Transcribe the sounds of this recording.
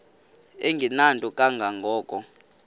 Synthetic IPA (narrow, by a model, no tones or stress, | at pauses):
eŋɡʱinantʼɔkʼaŋɡʱaŋɡʱɔːkʼɔ